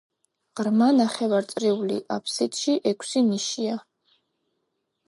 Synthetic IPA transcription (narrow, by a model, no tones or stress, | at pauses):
ʁɾmanaχɛvaɾt̪sʼɾiulḭʔapʰsit̪ʰʼʃiʔɛkʷʰsiniʃia